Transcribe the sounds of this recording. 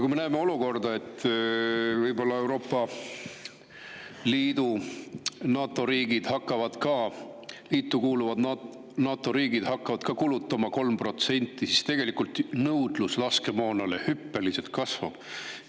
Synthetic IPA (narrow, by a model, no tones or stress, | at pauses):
kuime̞næːme̞o̞luko̞rd̪ɑe̞t̪ː | vɤjbo̞lːɑe̞wɾo̞ːpˑːɑ | liːd̪̥u | nɑːt̪ːˑo̞ɾiːɡid̪̥hɑkːˑɑvɑd̪̥kɑːliːt̪ːˑukuːluvɑd̪ɑ | nɑːt̪ːˑo̞ɾiːɡid̪̥hɑkːɑvɑd̪̥kɑkulut̪ˑːɑmɑko̞lmpro̞t̪se̞nʲt̪ːˑisist̪e̞ɡ̥e̞likult̪nɤwd̪̥luslɑske̞moːnɑlehypːe̞lise̞lt̪̚kɑsvɑ̰b̥